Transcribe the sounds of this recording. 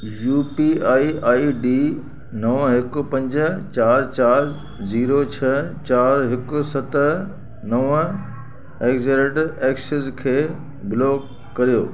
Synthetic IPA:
juːpiaːiaːiɖiː | nɐʋɦɪkʊ̆pɐ̃ɲd͡ʑə̆t͡ɕaːɾt͡ɕaːɾ | ziːɾot͡ɕʰɐt͡ɕaːɾɦɪkʊ̆sɐt̪ | nɐʋ | eːɡzeɾeːʈeːksɪzkʰeː | bɪloːkː | ɐɾijoː

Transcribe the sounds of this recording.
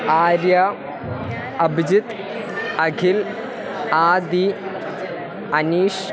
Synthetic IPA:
aːɾjɐ | ɐbʱd͡ʑit̪ | ɐɡʱil | aːd̪i | ɐniːʂ

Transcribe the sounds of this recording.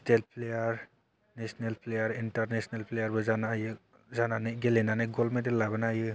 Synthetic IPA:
stel̚pʰlejaɾ | nesnelplejaɾintaɾnesnelplejaɾbɯzanajɯ | zananɯjɡelɛnanɯɡɔlmetɛlːabɯnajɯ

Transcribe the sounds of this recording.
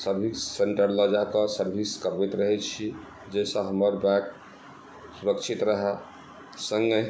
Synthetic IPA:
səɾbʱisːeɳʈəɾləd͡ʒakəsəɾbʱiskəɾbɛt̪ɾəɦɛt͡ʃʰi | d͡ʒesə̃ɦəməɾbɛ̃k | suɾəkt͡ʃʰit̪ɾəɦɛ | səŋɡe

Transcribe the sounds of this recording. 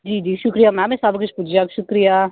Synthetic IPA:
d͡ʒiːd͡ʒiːʃʊkɾijaːmɛ̃ːmẽːsabkʊt͡ʃʰpʊt͡ʃʰjakʃʊkɾijaː

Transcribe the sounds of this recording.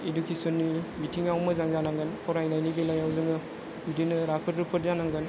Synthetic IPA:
idukʰisonːibitʰiŋawmɯzaŋzanaŋɡɯnkʰɔɾajnajnibelajawzɯŋɯ | udinɯɾakʰɯɾɾɯpʰɯɾzanaŋɡɯn

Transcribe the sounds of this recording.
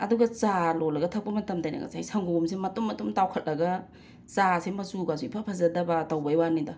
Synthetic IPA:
ɐ̰duɡɐt͡ʃalolɐɡɐtʰɐk̚pɐmɐtɐmtajnɐ̰ɡɐ̰sajsaŋɡomsemɐtumːɐtumtawkʰɐt̚lɐɡɐ | t͡ʃasemɐsuɡazuipʰɐpʰɐzɐdɐbɐtɐwbajwanidɐ

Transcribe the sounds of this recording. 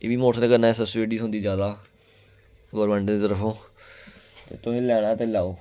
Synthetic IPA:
ḛːʋiːmoːsnẽːkəɾnaːɛːsəseːɖiːsõːnd̪iːd͡ʒjaːd̪aː | ɡoɾmə̃ɳɖd̪iːt̪əɾəpʰõː | t̪ḛːt̪ʊɦẽːlɛːɽ̃ãːt̪eːlaːoː

